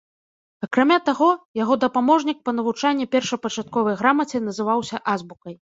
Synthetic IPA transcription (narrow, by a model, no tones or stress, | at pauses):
ɐkɾamʲat̪aɣɔjaɣɔd̪ɐpamɔʐnʲik̚pɐnɐvut͡ʂanʲːɛpʲɛrʂɐjpɐt͡ʂat̪̚kɔvɐjɣɾamɐt͡sʲɛn̪ɐzɨvawsʲɐʔazbukɐj